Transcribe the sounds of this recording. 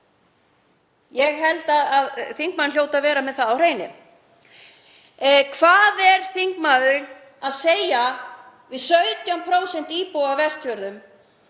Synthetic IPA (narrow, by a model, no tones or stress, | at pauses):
jɛɣɦɛlt̪aðaðθiŋkmaðnljoːwt̪aðvɛːɾamɛðθaðawr̥eːjnɪ̰ | kʰvaːðɛɾ̥θiŋkmaːðʏɾɪn | aðseːja | vɪðsœɥt̪jampʰɾoːwsɛnt̪iːpowavɛrst̪jœɾðʏm